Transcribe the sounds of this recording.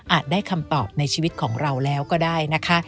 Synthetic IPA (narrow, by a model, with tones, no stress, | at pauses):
ʔaː˨˩t̪̚daː˥˩jkʰa˧mt̪ɔː˨˩p̚na˧jt͡ɕʰiː˧wi˦˥t̪̚kʰɔː˩˦ŋɾa˧wlɛː˦˥wkɔː˥˩daː˥˩jna˦˥kʰa˦˥ʔ